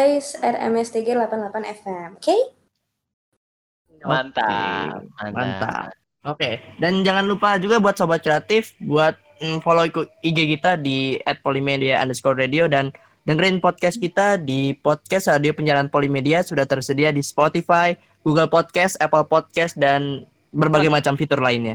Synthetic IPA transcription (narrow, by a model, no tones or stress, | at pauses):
isɛ̰rɛ̰mɛst̪iɡalapanlapanɛfɛmke | ant̪a | ma̰nt̪a̰ | okedand͡ʒaŋanlupad͡ʒuɡabuat̪̚sobat̪̚kɾeat̪ɪfbuat̪̩̚ | foloikuiɡekit̪adiɛt̪̚polimediaʔa̰ndəskɔrradiodan | dəŋəɾɪnpɔd̪̚kɛskit̪adipɔt̪̚kɛsradiopəɲd͡ʒaɾaanpolimediasudaht̪ərsədiadispot̪ifaj | ɡuɡəlpɔt̪̚kɛsɛpəlpɔt̪̚kɛsdan | bərbaɡajmat͡ʃamfit̪ʊrlaɪnɲa